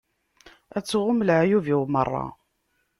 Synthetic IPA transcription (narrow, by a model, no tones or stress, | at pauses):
æt͡sːʁʊmlʕjuviwmərˤːɑ̰